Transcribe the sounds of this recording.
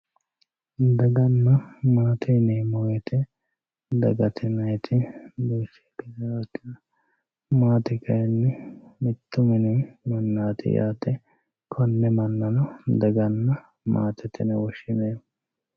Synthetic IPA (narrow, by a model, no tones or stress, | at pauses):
d̪ɐɡɐnːɐmaːt̪ɪneːmoːjɛt̪ɪ | d̪ɐɡɐt̪ʰɪnɐjɛt̪ʰɪbiːsɛ̥ːkɛdaːwɐt̪ːɪnɐ | maːt̪ɪkɐjɛnːɛmɪt̪ːʊmɪnɪmɐnːaːt̪ɪ̰ja̰ːt̪ɛ | kʰɔnːɛmɐnːɐnɐd̪ɐɡɐnːɐ | ma̰ːt̪ɛt̪ɪ̰nɐwɔʃɪneː